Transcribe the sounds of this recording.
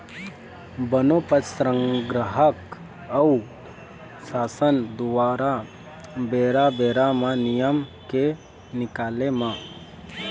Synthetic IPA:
bənopəsɾə̃ŋɡɾəɦək | ɐw | saːsənd̪ʊʋaːɾa | beːɾabeːɾamãnijəmke | nɪkaːlemã

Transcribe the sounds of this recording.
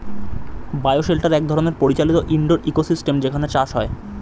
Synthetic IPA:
baeoʃelʈaɾɛk̚d̪ʱɔɾoneɾpoɾit͡ɕalit̪oʔiɳɖoɾʔikosisʈemd͡ʑekʰanet͡ɕaʃɦɔe

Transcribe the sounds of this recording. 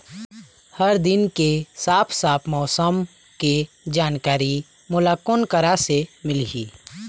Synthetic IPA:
həɾd̪ɪnkesaːpʰsaːpʰmɔːsəm | ke | d͡ʒaːnkaːɾi | mʊlaːkʊnkəɾasemɪliḭː

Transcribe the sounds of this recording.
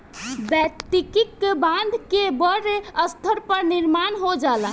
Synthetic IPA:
bət̪ikikbãnd̪ʱkebəɾeəst̪ʰəɾpəɾniɾmanɦod͡ʒala

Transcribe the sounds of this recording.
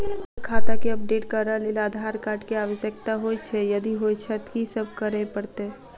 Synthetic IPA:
kʰat̪akeəp̚ɖeʈkəɾəlelad̪ʱaɾkaɾɖkeaʋəsjək̚t̪aɦojt͡ʃʰɛjəd̪iɦot͡ʃʰɛt̪kisəbʱkəɾepəɾt̪e

